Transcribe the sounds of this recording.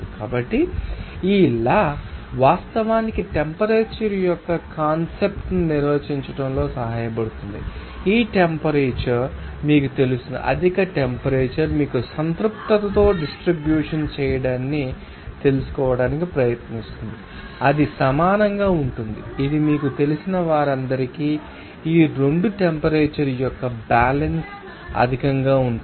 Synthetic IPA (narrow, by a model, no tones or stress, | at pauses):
kaːbɐʈːiiːlːaːʋaːst̪ɐʋaːnikiʈempɐɾeːt͡ʃɐɾijɔkːɐkaːnsep̚ʈniniɾʋeːt͡ʃiɲt͡ʃɐʈɐmlo̞ːsɐɦaːjɐpɐɽut̪und̪ḭ | iːʈempɐɾeːt͡ʃɐɾmiːkut̪e̞lust̪und̪ḭʔɐ̰d̪ʱikɐʈempɐɾeːt͡ʃɐɾmiːkusɐnt̪ɾup̚t̪ɐt̪ɐt̪o̞ːɖisʈɾibjuːʂɐnt͡ʃɛːjɐɽaːnːi | t̪e̞lusu̥kɔːʋɐɽaːnikipɾɐjɐt̪nist̪und̪i | ɐd̪isɐmaːnɐŋɡaːuɳʈund̪ḭːd̪imiːkut̪e̞lusinɐʋaːɾɐnd̪ɐɾikiː | iːɾe̞ɳɖuʈempɐɾeːt͡ʃɐɾjɔkːɐbaːlɐns | ɐ̰d̪ʱikɐŋɡaːuɳ